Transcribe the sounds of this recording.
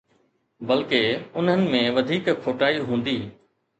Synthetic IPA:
bɐlkeʊnɦənɪ̆mẽʋɐd̪ʱiːkʰːoːʈaːiɦũːn̆d̪iː

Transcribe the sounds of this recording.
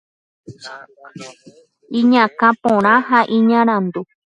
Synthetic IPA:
iɲãkãpõɾ̃ãɦaʔĩɲãɾ̃ãnd̪u

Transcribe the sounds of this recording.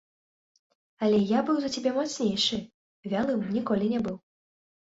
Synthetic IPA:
ɐlʲɛjabɨwzɐt͡sʲɛbʲɛmɔt̪snʲejʂɨ | vʲalˠɨmnʲikɔlʲinʲɛbɨw

